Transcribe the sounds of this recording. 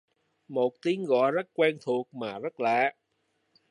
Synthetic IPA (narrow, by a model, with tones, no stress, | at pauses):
mo˨˩t̚t̪i˨˦əŋɣɔ̰˧˨jzə˦˥t̚kwɛː˧nt̪ʰu˨˩ək̚maː˨˩zə˦˥t̚la̰ː˧˨